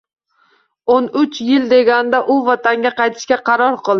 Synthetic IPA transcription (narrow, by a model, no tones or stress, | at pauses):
onʊt͡ʃjɪld̪e̞ɡʲand̪aʔʊvɒt̪ʰaŋɡʲaqɑjt̪ʰɪ̥ʃkʲaqʰɑɾɒɾqʰɨlˠɪ